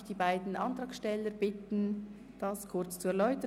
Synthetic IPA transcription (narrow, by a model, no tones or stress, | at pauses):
d̥iːbaɪdn̩ʔɑntʁɑːkʃtɛləɾb̥ɪtn̩ | d̥ɑskʰʊrt͡st͡suɛɐʁlɔʏtə